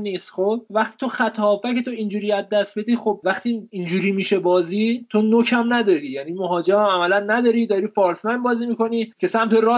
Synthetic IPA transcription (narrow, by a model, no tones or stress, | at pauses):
niːst̪xobvæχt̪i̥ːt̪ʰoxæt̪ʰɒːfækʰe̞t̪ʰoind͡ʒuːɾiːæzd̪ːæst̪̚be̞d̪iːxo̞b̚væχt̪ʰiind͡ʒuːɾiːmiːʃe̞bɒːziːt̪ʰo̞nocʰæmnæd̪ɒːɾiːjæniːmoɦɒːd͡ʒeæmæmælænːæd̪ɒːɾiːd̪ɒːɾiːfɒːɾsmæjnbɒːziːmiːko̞niːcʰe̞sæmt̪ʰe̞ɾɒː